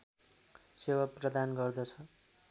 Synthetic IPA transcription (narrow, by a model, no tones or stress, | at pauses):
sewaprʌd̪anɡʌrd̪ʌt͡sʰʌ